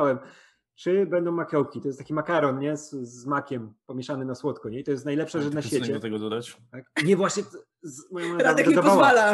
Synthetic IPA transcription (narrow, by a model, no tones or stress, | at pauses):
awɛm | t͡ʂɘbɛnd̪ɔ̃w̃makɔwkʲit̪ɔjɛst̪akʲimakaɾɔnɲɛzzːmakʲɛmpɔmʲjɛʂanɘmnaswɔt̪kɔɲɛit̪ɔjɛst̪najlɛpʂaʐɛnaɕfʲet͡ɕɛɔt̪ɛɡɔd̪ɔd̪at͡ɕt̪ak̚ɲɛvwaɕɲɛ | zmɔjɔ̃maɾaad̪d̪ɛid̪ɔvɔavala